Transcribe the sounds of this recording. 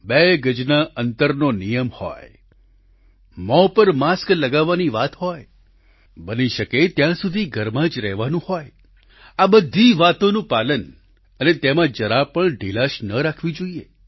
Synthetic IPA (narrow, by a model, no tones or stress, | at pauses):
beɡəd͡ʒnaʔənt̪əɾnonijəmhɔ̰j | mɔpəɾmaskləɡaʋːaniʋat̪hɔj | bəniʃəket̪jãsud̪ʱiɡʱəɾmãd͡ʒɾɛɦʋanũhɔj | abəd̪ʱːiʋat̪onũpalən | ənet̪emãd͡ʒəɾapəɳɖilaʃnəɾakʰʋid͡ʒoiḛ